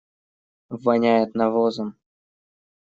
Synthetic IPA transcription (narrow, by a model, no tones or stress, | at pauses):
vɐnʲæjɪt̪nɐvozəm